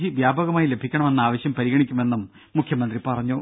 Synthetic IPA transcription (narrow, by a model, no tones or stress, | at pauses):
iʋjaːbɐɣɐmaːjile̞bʱikʲːɐɳɐme̞nːɐaːʋɐɕjɐmpɐɾiɣɐɳikʲːume̞nːumː | ukʰjɐmɐnd̪ripɐrɐɲːu